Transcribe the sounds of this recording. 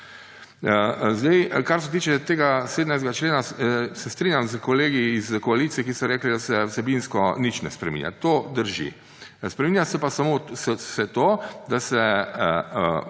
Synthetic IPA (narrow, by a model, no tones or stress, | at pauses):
zd̪ɛjkaɾs̬ɛt̪̬iːt͡ʃɛt̪eːɡaseːd̪najzɡat͡ʃleːnasɛst̪ɾiːnʲjamzkɔleːɡiːzkɔalit̪sijɛkisɔɾɛːklid̪asɛwsɛbinskɔnit͡ʃnɛspɾɛ̰mḭnja̰t̪od̪əɾʒḭ | spɾɛmiːnʲjasɛpasamossɛt̪od̪asɛ